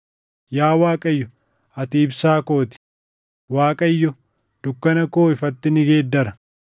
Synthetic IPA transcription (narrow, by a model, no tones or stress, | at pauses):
jaːwaːkʼɐjːɔ | ɐt̪iːbsaːko̞ːt̪ɪ̥ | waːkʼɐjːɔ | d̪̥ʊkːɐnɐko̞ːɪfɐt̪ːɪnɪɡeːd̪ːɐɾɐ̥